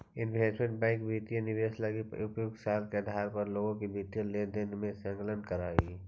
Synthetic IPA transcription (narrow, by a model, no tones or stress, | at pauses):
ɪnpeːsmẽɳʈ̚bɛ̃ːŋk̚bʱiːt̪ijə̃nɪʋeːslaɡiʊpjʊɡsaːlkeɐd̪ʱaːɾpɐɾloːɡõkibʱiːt̪ijə̃lẽːd̪ẽːnd̪mẽsə̃ŋklənkəɾaːiː